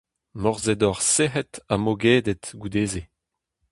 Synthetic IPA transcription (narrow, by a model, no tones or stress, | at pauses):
mɔʁzɛd̪ɔʁseɦɛt̪amoɡeːd̪et̪ɡud̪eːze